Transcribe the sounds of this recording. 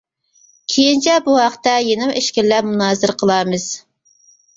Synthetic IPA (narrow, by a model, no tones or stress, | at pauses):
kʲʰejint͡ʃʰɛbuhɑqt̪ɛjenɪmeʃkʲɪllɛpmunɑːzɨɾqʰəlˠɑːmɨz̥